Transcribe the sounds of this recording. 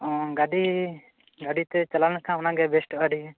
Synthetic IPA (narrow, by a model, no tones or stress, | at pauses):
ɔ̃ɡaɖi | ɡaɖit̪ɛt͡ʃalanakʰãɔnãɡɛbɛsʈɔɡaɖi